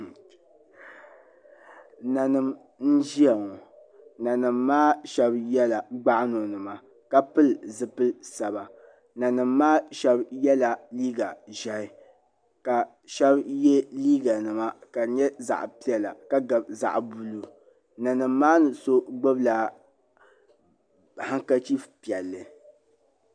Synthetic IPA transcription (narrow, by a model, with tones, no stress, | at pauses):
na˨nɨ˨m | n̩˦d͡ʒi˦a˨ŋɔ˨ | na˨nɨ˨mːaː˦ʃɛ˦bjɛ˦la˨ɡ͡ba˦ʔno˨nɨ˨ma˨ | ka˦pɨ˦lzɨ˨pɨ˦lsa˨ba˨ | na˨nɨ˨mːaː˦ʃɛ˦bjɛ˦la˨liː˦ɡa˨ʒɛ˨hɪ˨ | ka˨ | ʃɛ˦bjɛ˦liː˦ɡa˨nɨ˨ma˦ka˨ɲɛ˦za̰˨ʔpi˦ɛ˨la̰˨ka˦ɡa˨bza̰˨ʔbu˦lu˦ | na˨nɨ˨mː˦aː˦nɨ˨so˦ɡ͡bɨ˦bla˨ | ha˦ŋka˦t͡ʃi˦fpi˨ɛ˨lːɨ˨